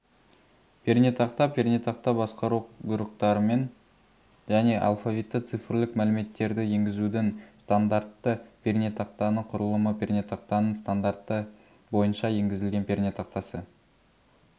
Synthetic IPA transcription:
pʰernʲet̪ɑqt̪ɑpʰʲernʲet̪ɑqt̪ɑbɑsqɑɾuɡʊɾəqt̪ɑɾəme̞n | ʒæne̞ʔa̰lˠfavʲit̪ːət̪sɨfɪrlɪkmælɪme̞t̪ːe̞ɾd̪ɪje̞ŋɡʲɪzud̪ɪŋst̪and̪art̪ːəpʲʰernet̪ɑq̚t̪ɑnəqʰʊɾəlˠəməpʰʲernʲet̪ɑq̚t̪ɑnəɴst̪and̪art̪ːə | bo̞jənʃɑje̞ŋɡʲɪzɪlɡʲe̞npʲʰernʲet̪ʰɑqt̪ɑsə

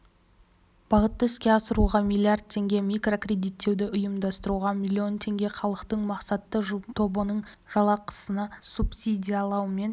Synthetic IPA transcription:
b̥ɑʁət̪ːəɪskʲe̞ɑsəɾuʁɑmijlʲˠijard̪̚t̪ʰːe̞ŋɡʲe̞mijkro̞krʲe̞d̪ijt̪ʰːe̞wd̪ɪʔʊjəmd̪ɑst̪əɾuʁɑmʲilʲːio̞nt̪ʰe̞ŋɡʲe̞χɑlˠəqt̪əɴmɑqsɑt̪ːəʒt̪ʰo̞bənəɴʒ̥ɑlˠɑqʰə̥sənɑsupsʲid̪ʲijɑlˠɑwəme̞n

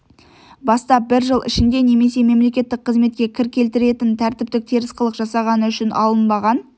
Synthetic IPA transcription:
bɑst̪ɑp̚bɪɾʒəlˠɪ̰ʃɪnd̪e̞ne̞me̞se̞me̞mle̞kʲe̞t̪ːɪk̚qʰəzme̞t̪kʲe̞kʲʰɪɾkʲe̞lt̪ɪɾe̞t̪ɪnt̪ʰæɾt̪ɪp̚t̪ɪk̚t̪ʰeɾɪsqəlˠəqʒɑsɑʁɑnəʏʃɪnɑlˠənbɑʁɑn

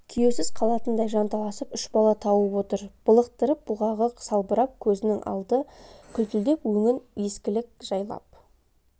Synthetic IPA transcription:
kʲʰijesɪzqʰɑlˠɑt̪ənd̪ɑjʒɑnt̪ʰɑlˠɑsəpʏʃbɑlˠɑt̪ʰɑwəwo̞t̪əɾb̥əlˠəq̚t̪əɾəp̚b̥ʊʁɑʁəqsɑlˠbəɾɑp̚kʲʰɵzɪnɪŋʔɑ̰lˠd̪əkʲʰʏlt̪ɪld̪e̞pwɵŋɪnje̞skʲɪlɪk̚ʒ̥ɑjlˠɑ̰p̚

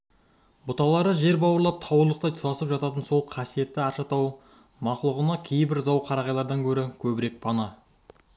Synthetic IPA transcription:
bʊt̪ɑlˠɑɾəʒe̞ɾbɑwəɾlˠɑp̚t̪ʰɑwəɾlˠəq̚t̪ɑjt̪ʰʊɾɑsəpʒɑt̪ɑt̪ənso̞lˠqʰɑsije̞t̪ːɪɑɾʃɑt̪ʰɑw | mɑqlˠəʁənɑkʲʰe̞jbɪɾzɑwqʰɑɾɑʁɑjlˠɑɾd̪ɑŋkʲʰɵɾɪkʲʰɵbɪɾe̞k̚pʰɑnɑ

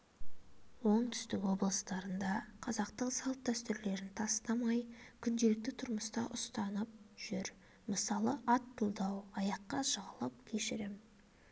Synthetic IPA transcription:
wo̞ɴt̪ʰʏ̥st̪ɪkwo̞blˠəst̪ɑɾənd̪ɑqʰɑzɑqt̪əɴsɑlˠt̪ːæst̪ɪɾle̞ɾɪnt̪ʰɑst̪ɑmɑjkʲʰʏnd̪e̞lɪk̚t̪ɪt̪ʰʊɾməst̪ɑʔʊst̪ɑnəp̚ʒ̥ʏɾ | məsɑlˠəʔɑt̪ʰːulˠd̪ɑwɑjɑqːɑʃəʁəlˠəp̚kʲʰe̞ʃɪɾɪm

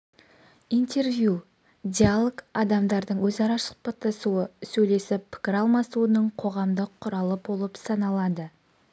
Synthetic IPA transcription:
ijnt̪e̞ɾvju | d̪ʲialˠokɑd̪ɑmd̪ɑɾd̪əɴwɵzɑɾɑsʊ̥q̚pɑt̪ːɑsuəsɵjle̞sɪppʰɪ̥kʲɪɾɑlˠmɑsuənəɴqʰo̞ʁɑmd̪əqʰːʊɾɑlˠəbo̞lˠəpsɑnɑlˠɑd̪ə

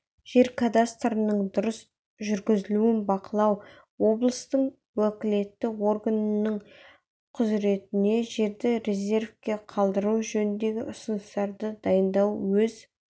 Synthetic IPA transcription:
ʒ̥e̞ɾkʰad̪ast̪rənəɴd̪ʊɾəs | ʒʏɾɡʲɪzɪluɪnbɑqəlˠɑw | wo̞blˠəst̪əɴ | wɵkʲɪle̞t̪ːɪo̞rɡanənəɴ | qʰʊzɾe̞t̪ɪne̞ʒe̞ɾd̪ɪɾʲe̞ze̞rfkʲe̞qʰɑlˠd̪əɾuwʒɵnɪnd̪e̞ɡʲɪʔʊsənəst̪ɑɾd̪əd̪ɑjənd̪ɑwwɵz

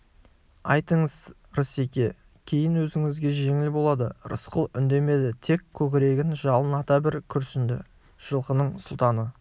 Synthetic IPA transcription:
ɑ̰jt̪əɴəz̥ | ɾəse̞kʲe̞ | kʲʰe̞jɪnwɵzɪŋɪzɡʲe̞ʒe̞ŋɪlbo̞lˠɑd̪əɾə̰sqəlˠʏnd̪e̞me̞d̪ɪt̪ʰe̞kʲʰːɵkʲɪɾe̞ɡʲɪnʒɑlˠənɑt̪ɑbɪɾkʲʰʏɾsɪnd̪ɪ̰ | ʒ̥əlˠqənəɴsʊlˠt̪ɑnə

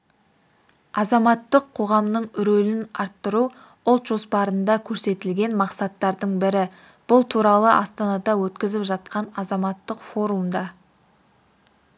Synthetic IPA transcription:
ɑzɑmɑt̪ːəqʰːo̞ʁɑmnəɴʏɾɵlɪnɑɾt̪ːəɾu | ʊlˠt̪ʒ̥o̞spɑɾənd̪ɑkʲʰɵɾse̞t̪ɪlɡʲe̞nmɑqsɑt̪ːɑɾd̪əɴbɪɾɪ | b̥ʊlˠt̪ʰuɾɑlˠəʔɑst̪ɑnɑd̪ɑwɵt̪kʲɪzɪpʒɑt̪̚qɑnɑzɑmɑt̪ːəqfo̞ɾumd̪ɑ

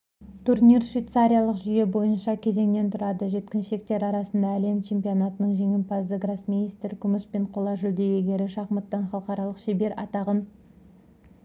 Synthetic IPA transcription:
t̪ʰurnijrʃvʲejt̪saɾʲijalˠəqʒʏje̞bo̞jənʃɑkʲʰe̞ze̞ŋne̞nt̪ʰʊɾɑd̪əʒe̞t̪kʲɪnʃe̞k̚t̪e̞ɾɑɾɑsənd̪ɑːle̞mt͡ʃʰe̞mpio̞nɑt̪ənəɴʒe̞ŋɪmpɑzəɡrasminijst̪ɾkʲʰʏmɪspeɴqʰo̞lˠɑʒʏld̪e̞jʲeɡʲe̞ɾɪʃɑχmət̪ːɑnχɑlˠəqɑɾɑlˠəqʃebe̞ɾɑ̰t̪ɑʁən

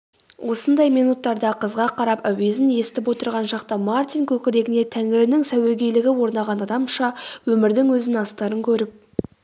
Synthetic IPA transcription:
wʔo̞sənd̪ɑjmijnut̪ːɑɾd̪ɑqʰəzʁɑqʰɑɾɑpæwe̞zɪnje̞st̪ɪpwo̞t̪əɾʁɑnʃɑq̚t̪əmart̪ʲijŋkʲʰɵkʲɪɾe̞ɡʲɪne̞t̪ʰæŋɪɾɪnɪŋsæweɡʲejlɪɡʲɪwo̞ɾnɑʁɑnɑd̪ɑmʃɑwɵmɪɾd̪ɪŋwɵzɪnɑst̪ɑɾəŋkʲʰɵɾɪp̚

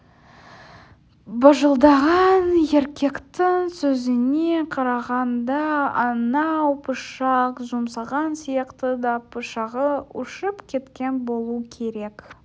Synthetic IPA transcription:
bəʒəlˠd̪ɑʁɑnje̞ɾkʲe̞kt̪ɪŋsɵzɪneqʰɑɾɑʁɑnd̪ɑɑnɑwpʰʊʃɑqʒumsɑʁɑnsijɑqt̪əd̪ɑpʰʊʃɑʁəʊʃəpkʲʰe̞t̪kʲe̞nbo̞lˠukʲʰe̞ɾe̞k

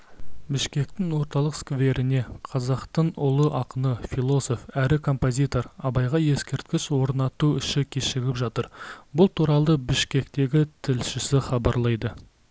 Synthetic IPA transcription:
bɪʃkʲe̞k̚t̪ɪŋwo̞ɾt̪ɑlˠəqskve̞ɾɪne̞qʰɑzɑqt̪əɴʊlˠəʔɑqənəfilˠo̞so̞fæɾɪkʰo̞mpo̞zʲit̪o̞ɾɑbɑjʁɑje̞skʲe̞ɾt̪̚kʲɪswo̞ɾnɑt̪uʏʃɪkʲʰeʃɪɡʲɪpʒɑt̪əɾbʊlˠt̪ʰuɾɑlˠəbɪʃkʲe̞kt̪e̞ɡʲɪt̪ʰɪlʃɪsɪχɑbɑɾlˠɑjd̪ə

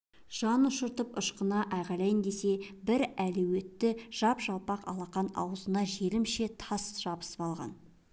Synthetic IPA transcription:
ʒ̥ɑnʊʃəɾt̪əpʊʃqənɑʔɑjʁɑlˠɑjənd̪e̞se̞bɪɾælɵwe̞t̪ːɪʒ̥ɑpʒɑlˠpɑqɑ̰lˠɑqɑnɑ̰wəzənɑʒe̞ɾɪmʃe̞t̪ʰɑsʒ̥ɑbə̥sə̥pɑlˠʁɑ̰n

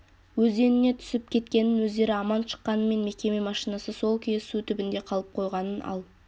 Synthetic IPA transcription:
wɵze̞nɪne̞t̪ʰʏ̥sɪpkʲʰe̞t̪kʲe̞nɪnwɵzd̪e̞ɾɪɑmɑnʃə̥qːɑnəme̞nme̞kʲe̞me̞mɑʃijnɑsəso̞lˠkʲʰijesut̪ʰʏbɪnd̪e̞qʰɑlˠəp̚qʰo̞jʁɑnənʔɑ̰lˠ

